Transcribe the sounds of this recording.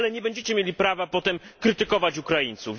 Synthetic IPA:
lɛɲɛbɛɲd͡ʑet͡ɕɛmʲjelʲipɾavapɔt̪ɛmkɾɘt̪ɘkɔvat͡ɕukɾajint̪suv

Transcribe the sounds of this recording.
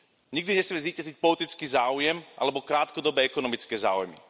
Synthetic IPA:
ɲiɡ̚d̪iɲɛsmɛziːcazic̚pɔlit̪it͡skiːzaːujɛmʔa̰lɛbɔkɾaːt̪kɔd̪ɔbɛːɛkɔnɔmit͡skɛːza̰ːujmḭ

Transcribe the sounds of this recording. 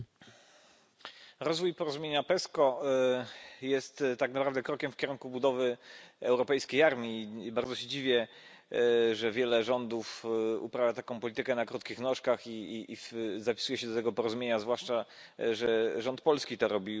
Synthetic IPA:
ɾɔzvujpɔɾɔzumʲeɲapɛskɔ | jɛst̪ːaknapɾavd̪ɛkɾɔkʲɛmfkʲɛɾuŋkubud̪ɔvɘɛwɾɔpɛjskʲejaɾmʲibaɾd̪zɔɕɛd͡ʑivʲjɛ | ʐɛvʲjɛlɛʐɔnd̪ufṵpɾavʲjat̪akɔ̃w̃pɔlʲit̪ɘkɛnakɾut̪̚kʲixnɔʂkaxifzapʲi̥sujɛɕɛd̪ɔt̪ɛɡɔpɔɾɔzumʲeɲazvwaʂt͡ʂa | ʐɛʐɔnt̪̚pɔlskʲit̪ɔɾɔbʲi

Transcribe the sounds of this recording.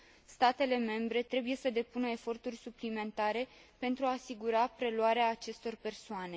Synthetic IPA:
st̪at̪e̞le̞me̞mbɾe̞t̪ɾe̞buje̞səd̪e̞punəe̞fo̞rt̪urʲsuplime̞nt̪aɾe̞pe̞nt̪ɾuaːsiɡuɾapɾe̞luaɾeaːt͡ʃe̞st̪o̞rpe̞rsoane̞

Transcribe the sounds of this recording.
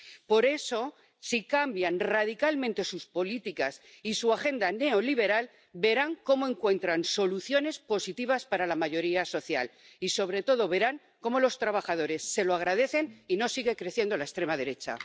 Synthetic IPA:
po̞ɾe̞so̞ | sikambjanrað̞ikalmẽnt̪e̞suspo̞lit̪ikasisuaxe̞nd̪ane̞o̞liβ̞e̞ɾal | be̞ɾaŋko̞moe̞ŋkwẽ̞nt̪ɾanso̞luθjo̞ne̞spo̞sit̪iβaspaɾalamaʝo̞ɾiaso̞θja̰l | iso̞β̞ɾe̞t̪o̞ð̞o̞βe̞ɾaŋ | ko̞mo̞lo̞st̪ɾaβaxaðo̞ɾe̞sːe̞loaɣ̞ɾað̞e̞θe̞nino̞siɣe̞kɾe̞θje̞nd̪olaest̪ɾe̞mað̞e̞ɾe̞t͡ʃa̰

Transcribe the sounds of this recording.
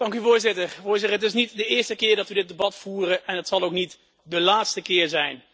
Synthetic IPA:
d̥ɑŋkyvʊːɹzɪtəɹvʊːɹzɪtəəɦətɪsnitdəɪːɹstəkɪːɹdɑtʋədɪd̚ebɑtfuːrəʔɛnətsɑlˠowknit | dəlaːtstəkɪːɹzɛjn

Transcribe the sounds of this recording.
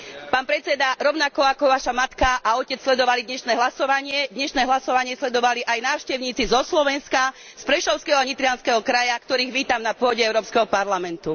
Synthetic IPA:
paːnpɾɛt͡sɛd̪aɾɔʊnakɔakɔʋaʃamat̪kaʔaɔcɛt͡sslɛd̪ɔʋalid̪ɲɛʃnɛːɦlasɔʋaɲɪɛd̪ɲɛʃnɛːɦlasɔʋaɲɪɛslɛd̪ɔʋaliʔajnaːʊʃcɛʊɲiːt͡sizɔslɔʋɛnska | spɾɛʃɔʊskɛɦɔaɲit̪ɾiɪanskɛɦɔkɾajakt̪ɔɾiːɣʋiːt̪amnapʊɔɟɛɛʊɾɔːpskɛɦɔpaɾlamɛnt̪u

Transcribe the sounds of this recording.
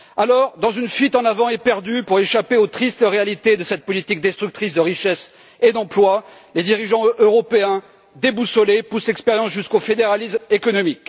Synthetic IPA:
alɔʁd̪ɑ̃zynfɥit̪ɑ̃navɑ̃ɛpɛʁd̪ypuʁeʃapeot̪χist̪əʁealit̪ed̪əsɛt̪̚pɔlit̪ik̚d̪ɛst̪χyk̚t̪χisd̪əʁiʃɛs | ed̪ɑ̃plwa | led̪iʁiʒɑ̃ʔøʁɔpeɛ̃ | d̪ebusɔlepuslɛkspeʁjɑ̃sʒyskofed̪eʁalismekɔnɔmik

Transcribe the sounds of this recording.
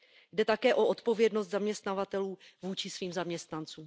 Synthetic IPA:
jdɛt̪akɛːʔoʔo̞t̪po̞vjɛdnost̪zamɲɛst̪navat̪ɛluːvuːt͡ʃɪsviːmzamɲɛst̪nant͡suːm

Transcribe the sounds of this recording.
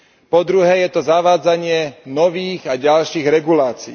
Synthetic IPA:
pɔd̪ɾuɦɛːjɛt̪ɔzaʋaːd͡zaɲɪɛnɔʋiːɣaɟalʃiːɣɾɛɡulaːt͡siː

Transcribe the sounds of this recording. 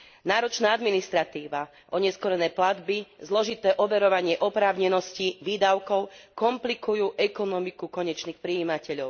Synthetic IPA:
naːɾɔt͡ʃnaːad̪minist̪ɾat̪iːʋa | ʔɔɲɛskɔɾɛnɛːplad̪bizlɔʒit̪ɛːʔɔʋɛɾɔʋaɲɪɛʔɔpɾaːʊɲɛnɔsciʋiːd̪aʊkɔʊkɔmplikujuːʔɛkɔnɔmikukɔɲɛt͡ʃniːxpɾiiːmacɛʎɔʊ

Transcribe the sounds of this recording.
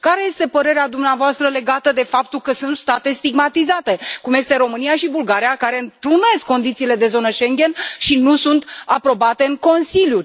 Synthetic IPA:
kaɾe̞je̞st̪e̞pəɾe̞ɾead̪umneavoast̪ɾəle̞ɡat̪əd̪e̞fap̚t̪ulkəsunt̪st̪at̪e̞st̪iɡmat̪izat̪e̞kumje̞st̪e̞ɾo̞mɨnijaʃibulɡaɾijakaɾe̞ɨnt̪ɾune̞skːo̞nd̪it̪siːle̞d̪e̞zo̞nəʃe̞ŋɡʲe̞nʃinusunt̪apɾo̞bat̪e̞ɨŋko̞nsilju

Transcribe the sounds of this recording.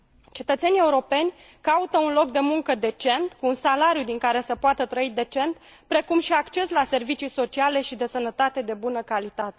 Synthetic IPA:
t͡ʃe̞t̪ət̪se̞nie̞uɾo̞pe̞nʲ | kaut̪əunlo̞kd̪e̞muŋkəd̪e̞t͡ʃe̞nt̪kuːnsalaɾjud̪iŋkaɾe̞səpoat̪ət̪ɾəid̪e̞t͡ʃe̞nt̪ | pɾe̞kumʃiakt͡ʃe̞slase̞rvit͡ʃijso̞t͡ʃiale̞ʃid̪e̞sənət̪at̪e̞d̪e̞bunəkalit̪at̪e

